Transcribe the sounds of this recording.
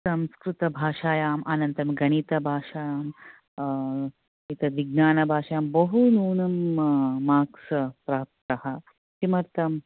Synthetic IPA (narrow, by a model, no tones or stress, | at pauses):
sɐmskɾut̪ɐbʱaːʃaːjaːmʔaːnɐnt̪ɐmɡɐɳ̃it̪ɐbʱaːʃaːjaːm | it̪ɐʋiɡ̚naːnɐbʱaːʃɐjaːmbɐɦunuːnɐmː | aːksɐpɾaːpt̪ɐhɐ | t͡ʃimɐɾt̪ɐm